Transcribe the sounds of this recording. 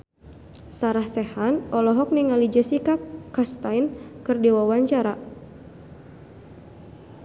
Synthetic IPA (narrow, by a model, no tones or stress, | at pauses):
saɾahsɛhanʔɔlɔɦɔk̚niŋalid͡ʒəsikakast̪ajnkɨrdiwawaɲt͡ʃaɾa